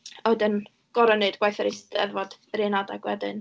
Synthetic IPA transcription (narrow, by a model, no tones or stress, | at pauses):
ɔɨdən | ɡ̥ɔɾɔnɨdɡ̥wajθəɾestɛ̰ðvɔd̥ɾenadaɡwɛdɨn